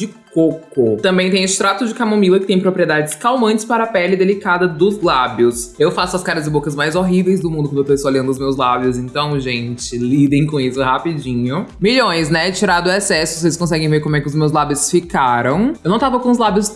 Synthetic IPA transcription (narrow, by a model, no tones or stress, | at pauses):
d͡ʒɪkokʊt̪ɐ̃mbẽj̃t̪ẽj̃ʊst̪ɾat̪ʊd͡ʒɪkamõmilɐkɪ̥t̪ẽj̃pɾopɾied̪ad͡ʒɪskawmɐ̃nt͡ʃɪ̥spaɾɐpɛlɪd̪elikad̪ɐd̪ʊzlabjʊsewfasʊɐskaɾɐzɪbokɐzmajzoɦivejzd̪ʊmũd̪ʊkwɐ̃nd̪ɐpesoɐlẽnd̪ʊzmewzlabjʊzẽnt̪ɐ̃w̃ʒẽt͡ʃɪlid̪ẽj̃kõisʊhapid͡ʒĩɲʊmiʎõj̃snɛt͡ʃiɾad̪ʊɛsɛsʊvo̥s̬eɪskõsɛɡẽj̃veɾkõmʊɛkɪʊzmewzlabjʊsfikaɾɐ̃w̃ewnɐ̃w̃t̪avɐkõʊzlabjʊs